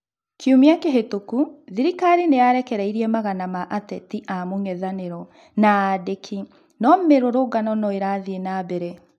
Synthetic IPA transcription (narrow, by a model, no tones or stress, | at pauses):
kʰiomiakeɦetokuðiɾikaɾineaɾɛkɛɾɛiɾiɛmaɣanamaʔatɛtiʔamoŋɛðaneɾɔ | nadekʰi | nɔmeɾoɾoɡanɔnɔeɾaðienabɛɾɛ